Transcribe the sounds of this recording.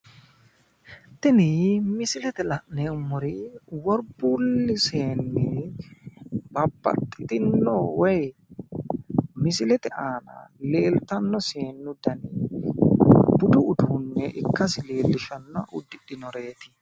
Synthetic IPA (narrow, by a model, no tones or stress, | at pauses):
t̪ɪnɪmɪsɪlɛt̪ɛlɐʔnɛʊmːɔɾɪwɔɾbulːɪseːnːɛ | bɐbːɐ̰t̪ʼːɪt̪ɪnːɔwɔj | mɪsɪlɛt̪ɛʔaːnɐ̰le̞ːlt̪ɐnːɔseːnːʊd̪ɐni | bʊd̪ʊːd̪unːɛʔɪkːɐsɪleːlːɪʃɐnːɔʔʊd̪ːɪɗɪnɔɾe̞ːt̪ɪ̥